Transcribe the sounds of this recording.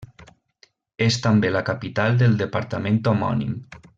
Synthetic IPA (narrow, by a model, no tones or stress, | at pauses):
est̪ambelakapit̪alˠd̪elˠd̪əpaɾt̪amẽnt̪omɔ̰nḭm